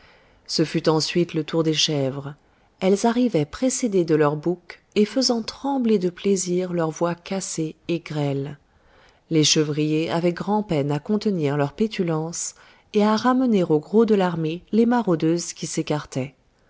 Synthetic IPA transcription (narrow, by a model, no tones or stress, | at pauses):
səfyt̪ɑ̃sɥit̪lət̪uʁd̪eʃɛvʁ | ɛlzaʁivɛpχesed̪ed̪əlœʁbuk | efəzɑ̃t̪χɑ̃bled̪əpleziʁlœʁvwakaseːɡʁɛlː | eʃəvʁijeavɛɡʁɑ̃pɛnakɔ̃t̪əniʁlœʁpet̪ʰylɑ̃s | eaʁaməneʁoɡʁod̪əlaʁmelemaʁod̪øzkʲisekaʁt̪ɛ